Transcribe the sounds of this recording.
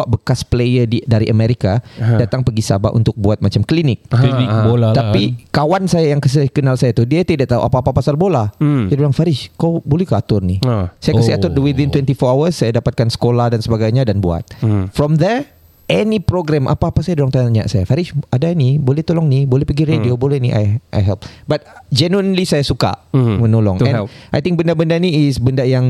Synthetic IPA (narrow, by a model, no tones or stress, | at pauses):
aʔbəkasplejədidaɾiʔəmeɾikadat̪aŋpəɡisa̰ba̰ʔṵnt̪ʊk̚buat̪̚mat͡ʃamklinɪk̚boat̪apikawansajajaŋkəs̬kənalsajat̪udiət̪idaʔt̪aɦṵʔapaːpapasalbolaajadolaŋfaɾɪʃkawbolɛhkaat̪ʊrnisajakəsiat̪ʊrdəwid̪ĩnt̪wɛnt̪ifɔawəsːajadapat̪̚kansə̥kolahdansəbaɡajɲadanbua̰t̪̚fɾɔmd̪ə | ʔɛnipɾoɡɾɛmʔa̰paːpasajadolɔŋt̪aɲa̰ʔsajafaɾɪʃadanibolɛht̪olɔŋnibolɛhpəɡiɾediobolɛhniʔa̰jʔa̰jɦɛlp̚bat̪̚d͡ʒɛnəənlisajasuka̰mənolɔ̰ŋɛ̃nʔajt̪ĩŋkbəndabəndaniːsbəndajaŋ